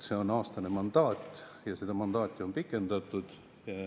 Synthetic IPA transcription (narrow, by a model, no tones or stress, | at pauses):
se̞o̞nɑːst̪ɑne̞mɑnd̪̥ɑːt̪ʲːˑjɑsed̪̥ɑmɑnd̪̥ɑːt̪ʲːˑio̞npikːˑe̞nd̪̥ɑt̪ːˑud̪̥